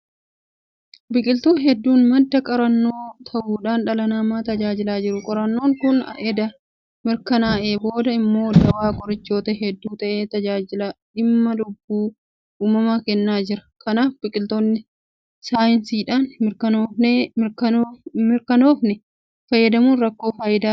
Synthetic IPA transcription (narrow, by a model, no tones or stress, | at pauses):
bɪkʼɪlt̪uːnɦɛd̪ːuːnmɐd̪ːɐkʼɐɾɐnːo̞ːt̪ʰɐʔuːᶑaːnᶑɐlɐnaːmaːt̪ɐd͡ʒaːd͡ʒɪlaːd͡ʒɪɾʊkʼɔɾɐnːo̞ːŋkʊn̰ʔɛd̪ɐ | mɪɾkɐnaːʔe̞ːbo̞ːd̪ɐɪmːo̞ːd̪ɐwaːkʼɔɾɪt͡ʃːo̞ːt̪ɐɦɛd̪ːuːt̪ɐʔeːt̪ɐd͡ʒaːd͡ʒɪlɐᶑɪmːɐlʊbːuː | uːmɐmaːkɛnːaːd͡ʒɪɾɐ̥kɐnaːfbɪkʼɪlt̪onːɪ | saːjɪnsiːᶑaːnmɪɾkɐnoːfnekɐmɪɾkɐno̞ːfnɛ | fɐjːɐd̪ɐmuːnɾɐkːo̞ːfaːjɪd̪aː